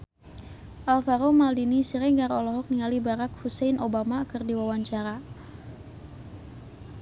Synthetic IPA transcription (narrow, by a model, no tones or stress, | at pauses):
ʔalfaɾomaldinisiɾɛŋɡaɾɔlɔɦɔk̚niŋalibaɾak̚husɛjnʔobamakɨrdiwawaɲt͡ʃaɾa